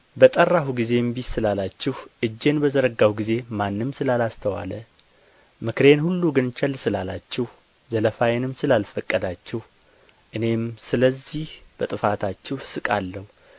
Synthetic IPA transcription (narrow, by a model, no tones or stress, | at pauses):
bət̪ʼərːahuɡize̞mbit̪sɨlalat͡ʃːɛhʔɨd͡ʒːe̞nbəzəɾəɡawɡize̞manːɨmsɨlalast̪ʰəwa̰lə | mɨkɾe̞nhulːuɡɨnt͡ʃʰɛlːsɨlalat͡ʃːɛh | zələfajenɨmsɨlalfəkʼːəd̪at͡ʃːɛh | ʔɨne̞msɨləzːihb̥ət̪ʼɨfat̪ʰat͡ʃːɛhsɨkʼalːəhu